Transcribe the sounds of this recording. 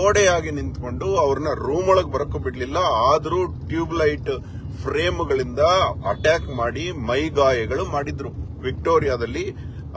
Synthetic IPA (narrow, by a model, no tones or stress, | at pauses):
oːɽɛjaːɡinint̪ko̞ɳɖuɐʋɐɾɐnɐɾuːmɐɭɐɡbɐɾɐkːobiɽɐlilːɐaːd̪ɐɾuːʈjuːblɐjʈ | pʰɾeːmuɡɐɭind̪ɐɐʈaːkmaːɽimɐjɡaːjɐɡɐɭumaːɽid̪ɾuʋik̚ʈo̞ːɾijaːd̪ɐlːi